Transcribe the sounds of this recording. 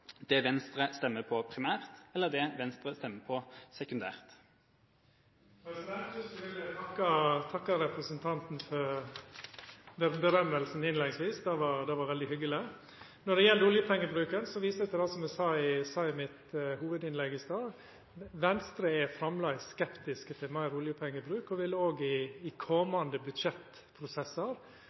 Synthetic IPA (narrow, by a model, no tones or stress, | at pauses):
d̪̥ɛʋɛnst̪ɾəst̪ɛmːəpʰɔpʰɾɪmæːʁt̪ɛlːəd̪ɛʋɛnst̪ɾəst̪ɛmːəpʰɔsɛkʉnd̪æ̰ːʁt̪ | ɛsæʋɪlət̪ʰɑkːɑt̪ʰɑkːɑɾɛpɾəsənt̪ʰɑnt̪n̩fɔɾ | bbəɾœmːəlsn̩ɪnlɛŋsʋiːsd̪ɑʋɑɾd̪ɛʋɑɾʋɛld̪ɪhʏɡəlɪ | nɔɖɛjɛld̪ʊljəpʰɛŋːəbɾʉːkənsɔʋiːsət̪ʰɛd̪ɑsɔmæsɑːɪsɑːɪmɪt̪huːʋəd̪ɪnlɛɡɪst̪ɑː | ʋɛnst̪ɾəɛfɾɑmlɑɪskɛpt̪ɪskət̪ʰɪlmæɪɾʊljəpʰɛŋːəbɾʉːkɔʋɪloːɡɪɪkʰɔmɑnd̪əbʉd̪ʂɛt̪ | pʰɾʊsɛsəɾ